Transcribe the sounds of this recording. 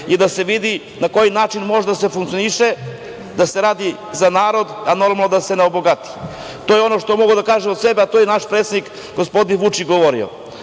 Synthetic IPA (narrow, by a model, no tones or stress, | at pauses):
id̪ase̞ʋid̪i | nako̞jinaːt͡ʃinmo̞ʒed̪asefuŋkt̪ioniʃe | d̪aseɾaːd̪i | zanaːɾo̞d̪ano̞ɾmalnod̪ase̞neoboɡat̪i̥ | t̪ojeo̞noʃt̪omo̞ɡud̪akaːʒemot̪sebeat̪ojenaʃpɾet̪seik | ɡospo̞d̪inʋut͡ʃit͡ʃɡoʋoɾio̰